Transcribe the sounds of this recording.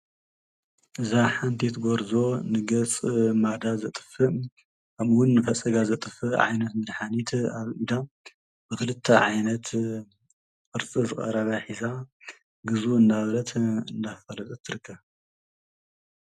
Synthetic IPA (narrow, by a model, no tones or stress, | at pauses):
ʔɨzaħant̪ʰit̪ɡoɾzo̞nɨɡɐt͡sʼmad̪azɐt̪ʼɨ̥fɨ | kʰɐmɨwʊnːɨfɐt͡sʼɐɡazɐt̪ʼɨfɨʕa̰jnɐt̪mɨd̪ħanit̪ʰaβɨd̪a | bɨkɨlɨt̪ʰːɐʕajnɐt̪ | fɨɾt͡sʼizɨkʼɐ̰ɾɐβɐħiza | ɡɨzuɨnd̪aβɾɐt̪ʰɨnd̪afɐlɐt̪ʼut̪ʰːɨɾɨkʰːɐβ